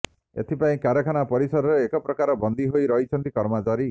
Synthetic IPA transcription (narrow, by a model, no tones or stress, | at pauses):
ḛt̪ʰipaĩkaɾɔkʰanapɔɾisɔɾɔɾeekɔpɾɔkaɾɔbɔnd̪ʱiɦojɾɔɦit͡ʃʰɔnt̪ikɔɾmat͡ʃaɾi